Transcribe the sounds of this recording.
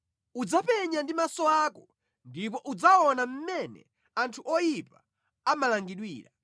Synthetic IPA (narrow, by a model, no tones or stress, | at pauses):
ud͡zapɛɲandimasɔaːkɔ | ndip̬ɔʔud͡zaɔnam̩mɛnɛ̰ | antʰuʔɔjipa | amalaŋɡiɗwḭːɾa